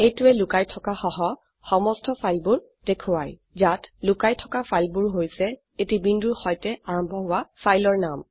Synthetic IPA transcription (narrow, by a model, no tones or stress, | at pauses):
ejtʊɛlʊkajtʰɔkaxɔɦɔ | xɔmɔstʰɔpʰajlbuɹ | dekʰʊwaj | zatlʊkajtʰɔkapʰajlbuɹɦojsɛ | etibinduɹxɔjtɛaɹɔmbʱɔɦʊwapʰajlɔɹnam